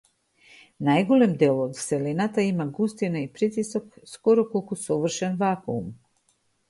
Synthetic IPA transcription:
najɡolemd̪elod̪selinat̪aimaɡust̪inaipɾit̪isokskoɾokolkosoʋr̩ʃenʋakuum

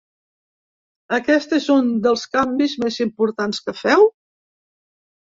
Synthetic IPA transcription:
əkɛst̪ezund̪əlˠskambizmezimpuɾt̪anskəfɛw

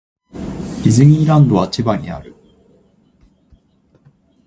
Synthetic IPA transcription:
izɨɲ̟ʲiːɾãnd̪o̞βat͡ɕibaɲ̟ḭa̰ɾɯ̟

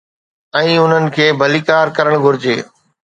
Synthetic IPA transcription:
ɛ̃ːʊn̤ənɪ̆kʰeːbʱɐlikaːɾkɐɾəɽ̃ɡʱʊɾɪd͡ʑeː

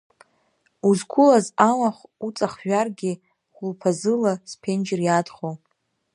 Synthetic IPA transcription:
uzɡʷʰʊlazamaχʷut͡sʼaχʒᶣarɡʲɪ | χʷʊlpʰazɨlaspʰe̞nd͡ʒɪrjadχow

